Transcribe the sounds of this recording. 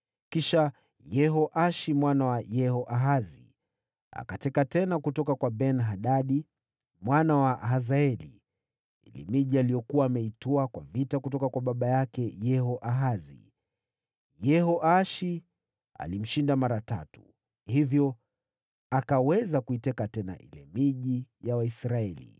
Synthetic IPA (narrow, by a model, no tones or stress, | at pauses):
kiʃa | jɛɦɔʔaʃimwanawajɛhɔʔaɦazi | a̰katɛkatɛnakutɔkakwabɛnɦaɗaɗi | mwanawaɦazaɛlḭ | ḭlḭmiʄialiɔkuwaːmɛitɔakwavitakutɔkakwaɓaɓajakɛjɛhɔʔaɦazḭ | jɛhɔʔaʃi | a̰lim̩ʃindamaɾata̰tu̥ | hivjɔ | akawɛzakuitɛkatɛna̰ʔḭlɛ̰miʄijawaisɾaɛlḭ